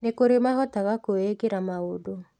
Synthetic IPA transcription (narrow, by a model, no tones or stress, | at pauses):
nekoɾemaɣɔtaɣakoeɡeɾamaodo